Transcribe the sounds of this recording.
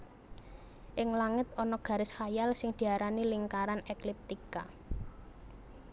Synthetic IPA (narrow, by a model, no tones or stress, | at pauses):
ʔɪŋlaŋɪt̪ɔnɔɡ̥a̤ɾɪshajalsɪŋd̪̥i̤aɾaniliŋkaɾanɛklip̚t̪ika